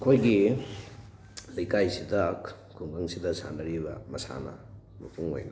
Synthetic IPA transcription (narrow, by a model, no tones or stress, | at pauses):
ɐkʰojɡi | lɐjkajsidɐk | kʰuŋɡaŋsidɐsa̰ndɐɾibɐmɐsa̰nɐ̰ | mɐpʰuŋo̰jnɐ